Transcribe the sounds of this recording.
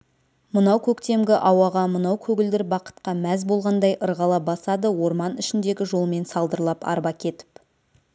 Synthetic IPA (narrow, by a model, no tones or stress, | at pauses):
mənɑwkʲʰɵkt̪e̞mɡʲɪʔɑwɑʁɑmənɑwkʲʰɵɡʲɪld̪ɪɾbɑqə̥t̪qɑmæzbo̞lˠʁɑnd̪ɑjʔəɾʁɑlˠɑbɑsɑd̪əwo̞ɾmɑnʏʃɪnd̪e̞ɡʲɪʒo̞lˠme̞nsɑlˠd̪əɾlˠɑpɑ̰ɾbɑkʲʰe̞t̪ɪ̥p